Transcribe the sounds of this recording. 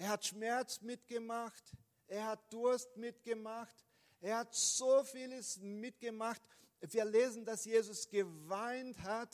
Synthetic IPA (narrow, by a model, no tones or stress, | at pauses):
ʔeːɐhatʃmɛɐt͡smɪtɡ̥əmaxt | ʔeːɐhat̚d̥ʊɐstmɪtɡ̥əmaxt | ʔeːɐhatz̥oːfiːləsmɪtɡ̥əmaχt | viːɐleːzn̩dasjeːzʊsɡ̥əvaɪnthat